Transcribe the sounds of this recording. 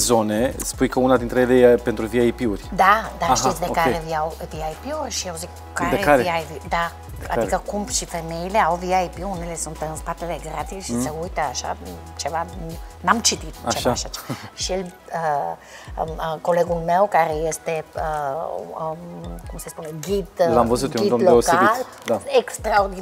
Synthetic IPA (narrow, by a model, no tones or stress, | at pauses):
zonespujkəunad̪int̪ɾeelepent̪ɾuviaipiurʲd̪ad̪aaʃtisd̪eokaeɾeviawviaipiurʲʃiawzik | kːaɾeeaɾvavid̪a | a̰d̪ikəkumbʃifemeile̞awviaipiunelesunt̪ɨnspat̪eleɡɾat̪isʃiseujt̪əaʃa̰ | t͡ʃɛvannamt͡ʃit̪it̪at͡ʃɛʃaʃatʃɛl | kolɛɡulmɛwkaɾɛjɛst̪e | kumsespunɛɡid̪lamboətt̪ɡid̪loskal | daɛkst̪ɾaoɾd̪i